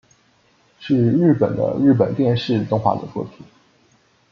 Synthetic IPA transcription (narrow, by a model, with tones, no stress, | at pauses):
ʂɻ̩˥˧ɻ̩˥˩pə˨˩nd̪ə̰˦ɻɻ̩˥˩p̬ə˨˩nt̪jɛ˥˧nʂɻ̩˥˩t̪ʊ˥ŋxwa̰˥˩d̪ə̰˨t͡swɔ̰˥˩t̪ʰu˧˥˦